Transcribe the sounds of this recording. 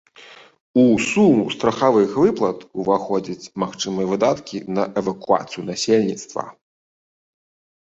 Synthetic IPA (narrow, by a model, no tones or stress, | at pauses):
usumust̪ɾɐxavɨxvɨplˠɐt̪uvaxɔd͡zʲit͡sʲmaxt͡ʂɨmɨjɛvɨd̪at̪kʲinɐʔɛvɐkua̰t̪sɨjunasʲelʲnʲit̪st̪vɐ̰